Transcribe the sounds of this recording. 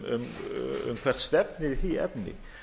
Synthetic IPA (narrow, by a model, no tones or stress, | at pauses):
ʏ̰mʏ̰mkʰv̥ɛr̥t̪st̪ɛpnɪɾiθiɛ̰pnɪ̰